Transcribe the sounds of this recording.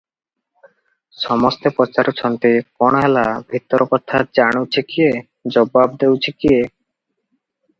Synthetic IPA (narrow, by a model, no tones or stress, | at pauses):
ʃɔmost̪epɾɔt͡ɕaɾot͡ɕʰɔnt̪ekɔɽoɦɛlabʱit̪ːoɾokɔt̪ʰad͡ʑaɽ̃owt͡ɕʰekie | d͡ʑɔbab̚d̪ewt͡ɕʰekie